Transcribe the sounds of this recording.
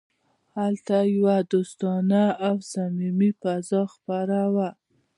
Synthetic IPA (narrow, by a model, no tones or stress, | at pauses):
halt̪ajawad̪ost̪ɑnaːwsamimifazɑxpaɾawa